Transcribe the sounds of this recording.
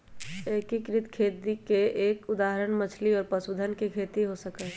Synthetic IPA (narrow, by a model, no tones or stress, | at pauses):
ekikɾɪt̪kʰeːt̪ikeʔeːkʊd̪aːɦəɾənmət͡ʃʰliɔːɾpəsud̪ʱənkekʰeːt̪iɦosəkə